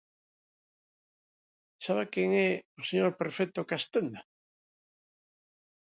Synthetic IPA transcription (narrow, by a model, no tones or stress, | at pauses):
saβakjeŋɛoseɲoɾpeɾfek̚t̪okast̪end̪a